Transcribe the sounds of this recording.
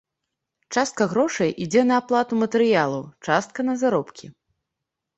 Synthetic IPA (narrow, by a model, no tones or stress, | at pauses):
t͡ʂast̪̚kɐɣɾɔʂɐjʔid͡zʲɛnɐːplˠat̪umɐt̪ɛɾɨjalˠɐwt͡ʂast̪̚kɐnɐzaɾɔpkʲi